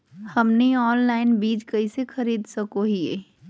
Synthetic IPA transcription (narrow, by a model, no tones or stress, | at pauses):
hɐmniɔːnlaːɪnbiːd͡ʒkɐisexɐɾiːd̪sɐkoɦiḛː